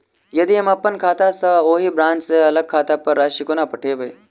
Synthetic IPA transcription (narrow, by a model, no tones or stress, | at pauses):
jɐd̪iɐmɐpːənkʰaːt̪asɐoːɦiːbɾãːnt͡ʃseɐləɡ̚kʰːaːt̪apɐɾːaːʃikonapɐʈʰeːbəj